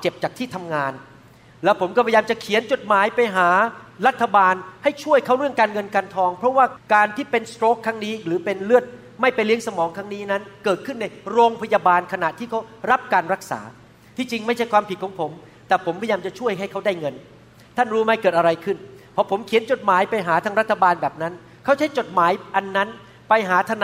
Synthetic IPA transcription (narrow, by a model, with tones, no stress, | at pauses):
a˥˩t͡ɕe˨˩p̚t͡ɕaː˨˩kt̪ʰiː˥˩t̪ʰa˧mŋaː˧n | lɛː˦˥wpʰo˩˦mkɔ˥˩pʰa˧jaː˧mt͡ɕa˨˩kʰi˨˩˦ənt͡ɕo˨˩t̪̚maː˩˦jpa˧jɦaː˩˦ɾa˦˥t̪ʰːa˧baː˧nha˥˩jt͡ɕʰu˥˩əjkʰa˦˥wɾɯ˥˩əŋkaː˧nŋɤ˧nkaː˧nt̪ʰɔː˧ŋpʰɾɔ˦˥waː˥˩kaː˧nt̪ʰiː˥˩pe˧nst̪ɾoː˦˥kʰːa˦˥ŋniː˦˥ɾɯː˩˦pe˧nlɯ˥˩ət̪̚ | ma˥˩jpa˧jli˦˥əŋsa˧mɔː˩˦ŋkʰɾa˦˥ŋniː˦˥na˦˥nkɤː˨˩t̪̚kʰɯ˥˩nːa˧jɾoː˧ŋpʰa˧jaː˧baː˧nkʰa˧na˨˩ʔt̪ʰiː˥˩kʰa˦˥wɾa˦˥p̚kaː˧nɾa˦˥k̚sa̰ː˩˦ | t̪ʰiː˥˩t͡ɕi˧ŋma˥˩jt͡ɕʰa˥˩jkʰwaː˧mpʰi˨˩kʰːŋpʰo˩˦m | t̪ɛː˨˩pʰo˩˦mpʰa˧jaː˧mt͡ɕa˨˩t͡ɕʰu˥˩əjɦa˥˩jkʰa˦˥wdaː˥˩jŋɤ˧n | t̪ʰa˥˩nɾuː˦˥ma˧˩jkɤː˨˩t̪̚ʔa˧ɾa˧jkʰɯ˥˩npʰɔ˦˥pʰo˩˦mkʰi˨˩˦ənt͡ɕo˨˩t̪̚maː˨˩˦jpa˧jɦaː˩˦t̪ʰaː˧ŋɾa˦˥t̪ʰːa˧baː˧nbɛː˨˩p̚na˦˥n | kʰa˦˥wt͡ɕʰa˦˥jt͡ɕo˨˩t̪̚maː˩˦jʔa˧nːa˦˥n | pa˧jɦaː˩˦t̪ʰa˧n